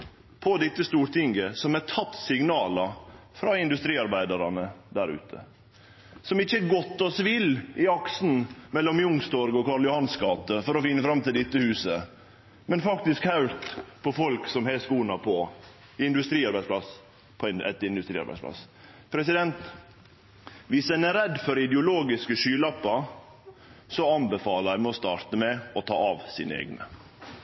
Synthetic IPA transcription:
pʰɔd̪ɛt̪ːəst̪uːɾt̪ɪŋɡəsɔmɛt̪ʰɑt̪ːsɪɡnɑːlɑfɾɑɪnd̪ʉst̪ɾiːɑɾbæɪd̪ɑɾɑnəd̪æɾʉ̰ːt̪ʰə̰ | sɔmɪçːəɡɔt̪ːɔsʋɪlɪɑksn̩mɛlːɔmjʊŋst̪ɔɾɡɔkʰɑːɭjʊhɑnskɑːt̪əfɔɾɔfɪnːəfɾɑmt̪ʰɪld̪ɪt̪ːəhʉːsə | mɛnfɑkt̪ɪskhɑʉɾt̪pʰɔfɔlksɔmhɛːskuːnɑpʰɔ | ɪnd̪ʉst̪ɾiːɑɾbæɪspʰlɑs | pʰɔnɛt̪ɪnd̪ʉst̪ɾiːɑ̰ɾbæ̰ɪsplɑ̰s | pʰɾɛs̬ɪd̪ɛnt̪ | ʋɪsd̪ɛnæɾɛd̪fɔɾɪd̪ɛʊloːɡɪskəʂyːlɑpːɑ | sɔɑnbəfɑːləɾæɪmɛɔst̪ɑːɾt̪əmɛɔt̪ʰɑ̰ːɑʋsḭːnə̰ḛːɡnə

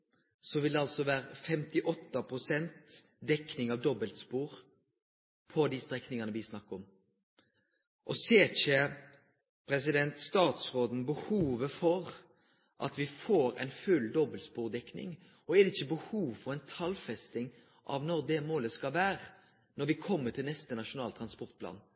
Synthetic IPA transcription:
sɔʋɪld̪ɛɑlsɔʋæːɾəfɛmt̪ɪʔɔt̪ːɑpʰɾʊsɛnt̪ | d̪ɛknɪŋɑʋd̪ɔbəlt̪spuːɾ | pʰɔd̪ɪst̪ʁɛknɪŋɑnəʋɪsnɑkːəɔm | ʔɔseːçə | pʰɾɛs̬ɪd̪ɛnt̪st̪ɑːt̪sʁoːd̪n̩bəhuːʋəfɔɾ | ʔɑ̰t̪ʋɪfoːɾɛ̰ɪnfʉld̪ɔbəlt̪spuːʁd̪ɛknɪ̰ŋ | ɔɛdɪçːəbəhuːʋfɔɾæɪnt̪ʰɑlfɛst̪ɪŋ | ʔɑ̰ʋnɔʁd̪ɛmoːləskɑlʋæːɾə | nɔɾʋɪkʰɔmːət̪ʰɪlnɛst̪ənɑʂʊnɑːlt̪ʰɾɑnspɔɾt̪̚pʰlɑ̰ːn

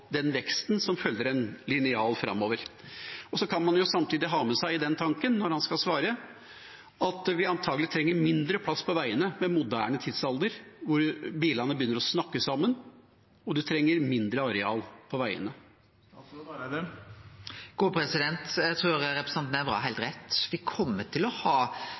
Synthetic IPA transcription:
d̪ɛnʋɛkst̪nsɔmfœlːəɾɛnlɪnɪɑːlfɾɑ̰mːoːʋəɾ | ɔsɔkʰɑnmɑnjʊsɑmt̪ʰiːd̪ɪɦɑːmɛsæɪɪd̪ɛnt̪ʰɑŋkənːɔɾhɑnskɑlsʋɑːɾə | ɑt̪ʋɪɑnt̪ʰɑːɡəlɪt̪ʰɾɛŋːəɾmɪnd̪ɾəpʰlɑsːpʰɔʋæɪənəmɛmʊd̪æːɳət̪ʰɪd̪sɑlˠd̪əɾʋʊɾbiːlɑnəbəjʏnːəɾɔsnɑkːəsɑmːən | ɔd̪ʉt̪ʰɾɛŋːəɾmɪnd̪ɾəɑɾɛɑ̰ːlpʰɔʋæɪə̰nə | ɡ̥uːpʰɾɛsɪd̪ɛnt̪jæɪt̪ʰɾuːɾɾɛpɾə̥sɛnt̪næbɾɑ̰ːɦæɪlt̪ɾɛt̪ːʋɪkʰɔmːət̪ʰɪlɔhɑː

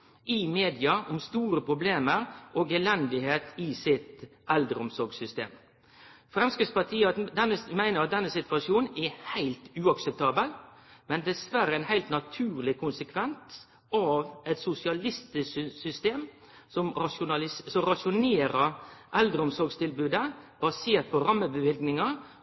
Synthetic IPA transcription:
ʔɪmeːd̪ɪɑɔmst̪uːɾəpʰɾʊbleːməɾʔoːɡɛlɛnd̪ɪɦeːt̪ʰɪsɪt̪ɛld̪ɾəɔmsɔɾɡsʏst̪ḛːm | fɾɛmskɾɪt̪spɑt̪ʰiːəɑd̪ɛnːəmæɪnəɾɑt̪̚d̪ɛnːəsɪt̪ʋɑʂjuːnnɛhæɪlt̪ʉːɑksɛp̚t̪ʰɑːbəlmɛnd̪ɛsʋæɾəæɪnhæɪlt̪nɑt̪ʰʉːɾlɪkʰʊnsəkʰʋɛnt̪ | ɑʋɛt̪sʊsɪɑlɪst̪əsʏst̪eːm | sɔmɑʃʊnɑlɪssɔɾɑʃʊneːɾəʔɛld̪ɾəʊmsɔɾɡst̪ʰɪlbʉːd̪əb̥ɑseːʈ̪̚pʰɔɾɑmːəbəʋɪlɡnɪŋɑ

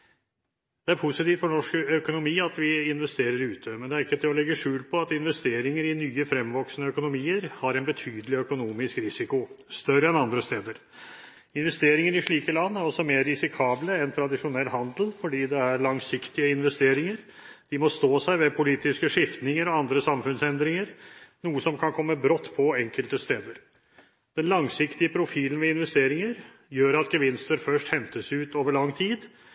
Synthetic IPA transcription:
d̪̥ɛæɾpʰʊsɪt̪iːft̪fɔɳnɔʂkœkʊnʊmiːɑt̪ʋɪɪnʋɛst̪eːɾəɾʉːt̪ʰəmɛnd̪ɛæɾɪkːət̪ʰɪlɔlɛɡːəʂʉːlpʰɔɑt̪ɪnʋɛst̪eːɾɪŋəɾɪnyːəfɾɛmʋɔksnəœkʊnʊmiːəɾhɑɾɛɪnbət̪ʰyːd̪əlɪœkʊnuːmɪskɾɪsɪkʊst̪œɾəɛnɑnd̪ɾəst̪eːd̪əɾ | ɪnʋɛst̪eːɾɪŋəɾɪʂɭiːkəlɑnːæɾɔsɔmeːɾːɪsɪkʰɑːbləɛnt̪ʰɾɑd̪ɪʂʊnɛlːɦɑnd̪əl̩fɔɖiːd̪ɛæɾɭɑŋsɪkt̪ɪəɪnʋɛst̪eːɾɪŋəɾ | d̪̥ɪmɔst̪oːsæɪʋɛpʰʊliːt̪ɪskəʂɪft̪nɪŋəɾɔɑnd̪ɾəsɑmfʉnsɛnd̪ɾɪŋəɾnuːəsɔmkʰɑnkʰɔmːəbɾɔt̪ːpʰɔɛŋkəlt̪əst̪eːd̪əɾ | d̪̥ɛnlɑŋsɪkt̪ɪəpʰɾʊfiːlənʋɛɪnʋɛst̪eːɾɪŋəɾ | jøːɾɑt̪ɡəʋɪnst̪əɾfœʂʈhɛnt̪əsʉːt̪oːʋəɭɑŋːt̪ʰiːd̪

